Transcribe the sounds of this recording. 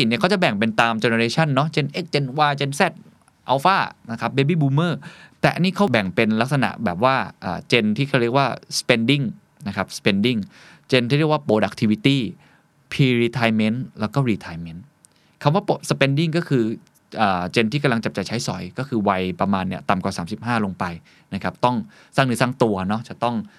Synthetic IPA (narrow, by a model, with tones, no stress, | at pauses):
si˨˩ni˥˩kʰa˦˥˩t͡ɕa˨˩bɛ˨˩ŋpe˧nt̪aː˧mt͡ɕeː˧na˧ɾeː˧˥t͡ɕʰa˥˩nːɔ˦˥t͡ɕe˧nʔe˦˥˩k̚t͡ɕe˧nwaː˧t͡ɕe˧nsɛ˥˩t̪̚ | ʔa˧˩wfaː˥˩na˦˥kʰa˦˥p̚beː˦˧biː˥˩buː˧mɤː˥˩t̪ɛː˨˩ʔa˧nːiː˥˩kʰa˦˥wbɛ˨˩ŋpe˧nla˦˥k̚sa˧na̰˨˩ʔbɛ̰ː˨˩p̚waː˥˩ʔə̰ː˨˩t͡ɕe˧nt̪ʰiː˥˩kʰa˥˩ɾi˥˩ək̚waː˥˩spe˧ndi˥˩ŋ | na˦˥kʰa˦˥p̚sə̥pe˧ndi˥˩ŋ | t͡ɕe˧nt̪ʰiː˥˩ɾi˥˩ək̚wːpoː˧da̰˨˩k̚t̪ʰi˧wi˧˥t̪iː˥˩ | pʰiː˧ɾiː˧t̪ʰaː˧jme˦˥nlɛː˦˥wkɔː˥˩ɾiː˧t̪ʰaː˧jme˦˥n | kʰa˧mwaː˥˩po˨sə˧pe˧ndi˥˩ŋkɔː˥˩kʰɯː˧ | ʔəː˨˩t͡ɕe˧nt̪iː˥˩ka˧mla˧ŋt͡ɕa˨˩p̚t͡ɕa˨˩t͡ɕʰa˦˥jsɔ̰˨˩˦jkɔː˥˩kʰɯː˧wa˧jpɾa˧maː˧nːi˥˩ɐt̪a˨˩mkwaː˨˩saː˩˦msi˨˩p̚haː˥˩lo˧ŋpa˧j | na˦˥kʰa˦˥p̚t̪ɔ˥˩ŋ | saː˥˩ŋnɯː˧˦˥saː˥˩ŋt̪u˧ɐnɔ˦˥t͡ɕa˨˩t̪ɔ˥˩ŋ